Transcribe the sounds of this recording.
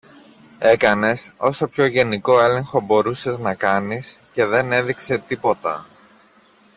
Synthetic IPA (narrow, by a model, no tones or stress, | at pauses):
e̞kɐne̞so̞so̞pço̞ʝe̞niko̞e̞le̞ŋxo̞bo̞ɾuse̞znɐkɐnisce̞ðe̞ne̞ðikse̞t̪ipo̞t̪ɐ̰